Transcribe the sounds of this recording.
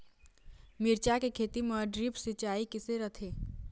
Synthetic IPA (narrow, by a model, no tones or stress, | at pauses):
mɪɾt͡ʃakekʰeːt̪iməɖɾipsɪt͡ʃaːikɪseɾət̪ʰeː